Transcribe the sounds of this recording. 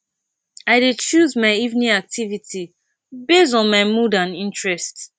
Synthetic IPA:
aɪdet͡ʃuzmaɪivnĩak̚tʰivitʰi | bestɔ̃nmaɪmudãnĩntɹɛst

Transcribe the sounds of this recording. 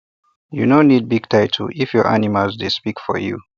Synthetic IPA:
jṵnonid̚biɡtʰaɪtʰuʔifjɔɹʔa̰nimalzdespikfɔ̰jṵ

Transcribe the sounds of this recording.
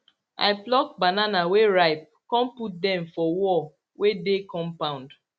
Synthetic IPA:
a̰ɪplɔk̚bananaweɹaɪp̚kɔ̃mput̚dɛ̃mfɔwɔ | wedekɔ̃mpãʊ̃nd

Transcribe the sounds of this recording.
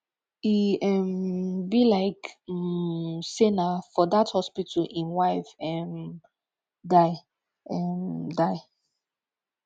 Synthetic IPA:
iɛmbilaɪk | senafɔðathɔspitʰəlʔĩnwaɪfɛm | daɪ | ɛmdaɪ

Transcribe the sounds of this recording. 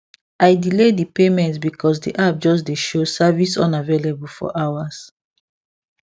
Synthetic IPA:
ajdiledipemɛ̃ntsbikʰɔs̬dḭʔap̚d͡ʒɔs̬deʃosavisɔ̰̃navelebulfɔ̰ʔawas

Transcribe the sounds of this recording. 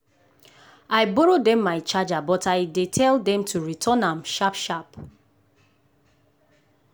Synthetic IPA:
aɪbɔɹodɛ̃mːaɪt͡ʃad͡ʒabɔtaɪdetʰɛldɛ̃mtʰuɹitʰɔnãmʃapʃap

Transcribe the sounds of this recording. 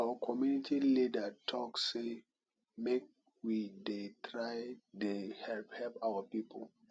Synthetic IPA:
awakʰɔmjunitilidətʰɔksse | mek̚ | widetʰɹaɪdehɛlphɛlpawapipʰo̰l

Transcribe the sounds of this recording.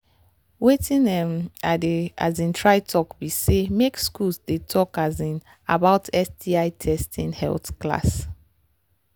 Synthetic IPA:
wetĩnɛmada̰zĩntʰɹaɪtʰɔkbisemekskulsdetʰɔkazĩn | a̰baʊtʰɛsdiaɪtʰɛstʰĩnhɛ̰ltkla̰s

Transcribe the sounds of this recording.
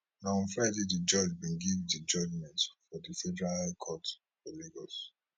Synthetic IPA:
nãɱfɛdidid͡ʒɔd͡ʒbĩnɡivdid͡ʒɔd͡ʒmɛ̃ntfɔdifɛdɛɹalkʰɔt | fɔliɡɔs

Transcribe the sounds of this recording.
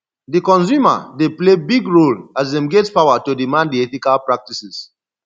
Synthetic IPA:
dikɔ̃ns̬juma̰deplebiɡɹolazdɛ̃mɡetpawatodimãnddiɛtikalpɹak̚tisis

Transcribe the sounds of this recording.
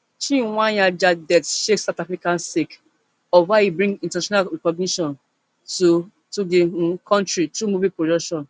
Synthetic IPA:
t͡ʃĩwãjad͡ʒadɛtʃeksatafɹikãnsek | ɔwaibɹĩŋɡĩntanaʃɔ̃naɹɛkɔɡ̚niʃɔ̃n | tu | tudekʰɔ̃ntɹitɾumubipɹodɔkʃɔ̃n

